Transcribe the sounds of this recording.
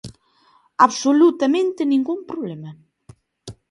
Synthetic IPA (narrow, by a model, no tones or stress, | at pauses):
aβsolut̪amẽnt̪enĩŋɡumpɾoβlemɐ